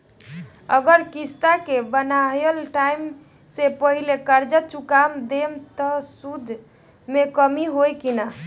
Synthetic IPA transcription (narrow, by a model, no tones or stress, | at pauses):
ə̰ɡəɾkist̪akebənajəlʈaim | sepəɦilekəɾd͡ʒət͡ʃukamd̪emt̪əsud̪ʱ | mekəmiɦojkina